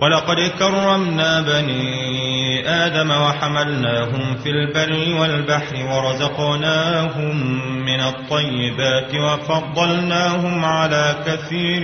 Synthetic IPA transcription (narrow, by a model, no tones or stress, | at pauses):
wʔalɑqɑd̪kɑrˤːɑmnaːbaniː | ʔaːd̪amawaħamalnaːɦʊmfiːlbarːɪwalbaħɾɪwɑɾˤɑzɑqnaːɦʊmːɪnɑt̪ˤːɑjːɪbaːt̪ɪwɑfɑd̪ˤːɑlnaːɦʊmʕalaːkaθiːɾ